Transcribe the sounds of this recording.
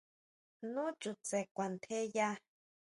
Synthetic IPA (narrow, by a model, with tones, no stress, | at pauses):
nũ˦t͡ʃu˨t͡se˨kʷa˨nt̪ʰe˦ja˦